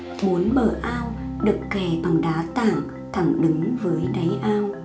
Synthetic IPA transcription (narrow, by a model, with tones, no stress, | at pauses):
ɓo˨˦ənɓəː˧˩ʔaː˧wɗɨ˨˩əkːe˧˩ɓa˨˩ŋɗaː˨˦t̪aː˧˩˨ŋ | t̪ʰa˧˩ŋɗɨ˨˦ŋvəː˨˦jɗə˨˦jʔaː˧w